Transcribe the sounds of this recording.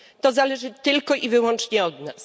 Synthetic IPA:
t̪ɔzalɛʐɘt̪ɘlkɔʔivɘwɔnt͡ʂɲɛɔd̪nas

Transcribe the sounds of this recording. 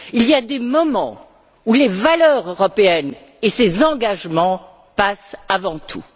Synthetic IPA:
ilijad̪emɔmɑ̃ | ulevalœʁøʁɔpeɛn | esezɑ̃ɡaʒmɑ̃ | pasavɑ̃t̪ʰṵ

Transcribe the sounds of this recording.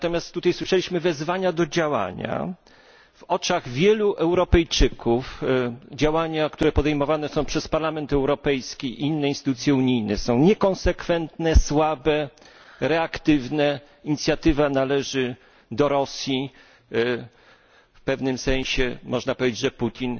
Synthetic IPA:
nat̪ɔmʲjast̪ːut̪ajswɘʂɛlʲiɕmɘvɛzvaɲad̪ɔd͡ʑawa̰ɲa̰ | v̥ɔt͡ʂaɣvʲjɛluʔɛwɾɔpɛjt͡ʂɘkʰufd͡ʑawaɲakt̪uɾɛpɔd̪ɛjmɔvanɛsɔ̃w̃pʂɛspaɾlamɛnt̪ɛwɾɔpɛjskʲiinːɛinst̪ɘt̪ut̪sʲjɛuɲijnɛsɔ̃w̃ɲɛkɔnsɛkfɛnt̪nɛswabɛ | ɾɛakt̪ɘvnɛ | iɲit̪sʲjat̪ɘvanalɛʐɘ | d̪ɔɾɔsʲji | fpɛvnɘmsɛ̃ɲ̃ɕɛmɔʐnapɔvʲed͡ʑed͡ʑʐɛput̪ʲin

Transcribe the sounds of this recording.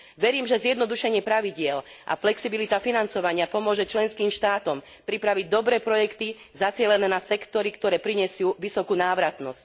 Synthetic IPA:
ʋɛɾiːmʒɛzjɛd̪nɔd̪uʃɛɲɪɛpɾaʋiɟɪɛlʔa̰flɛksibilit̪afinant͡sɔʋaɲɪapɔmʊɔʒɛt͡ʃlɛnskiːmʃt̪aːt̪ɔm | pɾipɾaʋiɟ̚d̪ɔbɾɛːpɾɔjɛkt̪i | zat͡sɪɛlɛnɛːnasɛkt̪ɔɾikt̪ɔɾɛːpɾiɲɛsɪuːʋisɔkuːnaːʋɾat̪nɔsc̚

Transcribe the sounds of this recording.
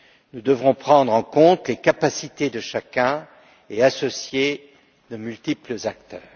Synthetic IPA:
nud̪əvʁɔ̃pχɑ̃d̪ʁɑ̃kɔ̃t̪lekapasit̪ed̪əʃakʲɛ̃ | easɔsje | d̪omylt̪ipləzak̚t̪œːʁ

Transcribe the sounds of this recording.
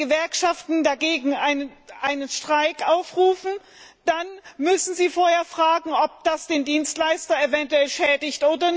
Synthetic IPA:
əvɛɐkʃaftn̩daɡeːɡŋ̩ʔaɪnəʔaɪnənʃtʁ̥aɪkʔaʊfʁuːfn̩ | d̥anmʏsn̩ziːfoːɐheːɐfʁ̥aːɡŋ̩ʔɔp̚d̥asd̥eːndiːnstlaɪstɐevɛntuɛlʃɛːdɪçtʔoːdɐn

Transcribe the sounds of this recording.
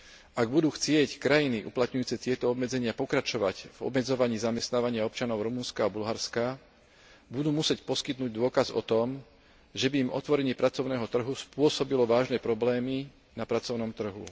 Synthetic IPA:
aɡbud̪uːxt͡sɪɛckɾajiniʔuplat̪ɲujuːt͡sɛt̪ɪɛt̪ɔɔbmɛd͡zɛɲɪapɔkɾat͡ʃɔʋa̰cvɔ̰bmɛd͡zɔʋaɲiːzamɛst̪naːʋaɲɪaɔp̚t͡ʃanɔʊɾumunskaːbulɦaɾska | bud̪uːmusɛcpɔskit̪nuːɟd̪ʊɔkazɔ̰t̪ɔm | ʒɛbiːmʔɔ̰t̪ʋɔɾɛɲɪɛpɾat͡sɔʊnɛːɦɔt̪r̩ɦuspʊɔsɔbilɔʋaːʒnɛpɾɔblɛːmi | napɾat͡sɔʊnɔmt̪r̩ɦṵ

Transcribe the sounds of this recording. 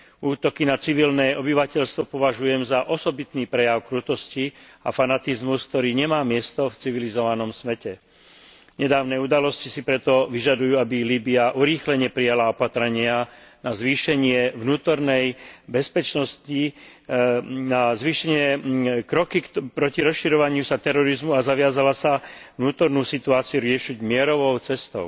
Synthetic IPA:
uːt̪ɔkinat͡siʋilnɛːʔɔbiʋacɛʎst̪ʋɔpɔʋaʒujɛmzaʔɔsɔbit̪niːpɾɛjaʊkɾut̪ɔsciafanat̪izmusk̚t̪ɔɾiːɲɛmaːmɪɛst̪ɔft͡siʋilizɔʋanɔmsʋɛcɛ | ɲɛd̪aːʊnɛud̪alɔscisipɾɛt̪ɔʋiʒad̪ujuːabiliːbiaʔuɾiːxlɛɲɛpɾijalaɔpat̪ɾɛɲɪanazʋiːʃɛɲɪɛʋnuːt̪ɔɾnɛjbɛspɛt͡ʃnɔsci | nazʋiːʃɛɲɪɛkɾɔkipɾɔciɾɔsʃiɾɔʋaɲɪusat̪ɛɾɔɾizmuazaʋɪazalasavnuːt̪ɔɾnuːsit̪uaːt͡sijuɾɪɛʃiɟmɪɛɾɔʋɔʊt͡sɛst̪ɔʊ

